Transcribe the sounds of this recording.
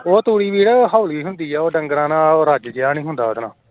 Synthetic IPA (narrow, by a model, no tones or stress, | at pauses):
oːt̪uːɽiːʋiːɽɦaːliːɦʊnd̪iːɛːoːɖəŋɡɾãːnãːoːɾad͡ʒd͡ʒɪjaːnĩːɦʊnd̪a̰ːəd̪nã̰ː